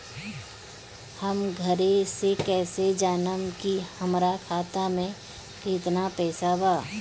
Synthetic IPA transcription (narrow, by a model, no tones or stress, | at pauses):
həmɡʱəɾesekɛːsed͡ʒaːnəmkihɐmɾakʰaːt̪amẽ | kɪt̪napɛːsabaː